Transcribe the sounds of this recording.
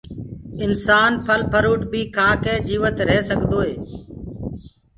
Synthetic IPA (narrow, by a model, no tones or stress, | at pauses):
ɪnsaːnpʰəlpʰəɾuːʈbʱiːkʰãːkẽːd͡ʒiːʋət̪ɾɛːsəɠd̪oːɦeː